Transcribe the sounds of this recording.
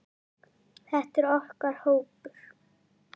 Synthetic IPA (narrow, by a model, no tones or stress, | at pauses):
θɛht̪ɛɾɔhkaɾ̥hoːwpʏɾ̥